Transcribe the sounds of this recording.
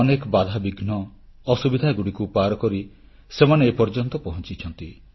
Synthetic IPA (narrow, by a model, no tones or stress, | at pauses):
ɔnekɔbad̪ʱabiɡnɔː | subid̪ʱaɡuɽikupaɾɔkɔɾi | semaneːpɔɾd͡ʒɔnt̪ɔpɔɦɔ̃nt͡ʃit͡ʃʰɔnt̪i